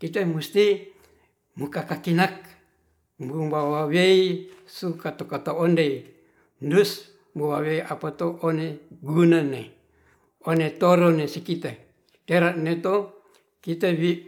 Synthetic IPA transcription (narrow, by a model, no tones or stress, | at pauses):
kit̪emust̪i | mukakakinak̚ | mbumbawaweisukat̪okat̪oondei | ndus | mbowaweiʔapat̪oʔoneɡunane | onet̪oɾonesikit̪e | t̪eɾaʔnet̪o | kit̪ewi